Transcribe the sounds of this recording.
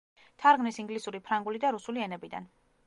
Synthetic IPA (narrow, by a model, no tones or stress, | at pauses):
t̪ʰaɾɡnisiŋɡlisuɾipʰɾaŋɡulid̪aɾusuliɛnɛbid̪a̰n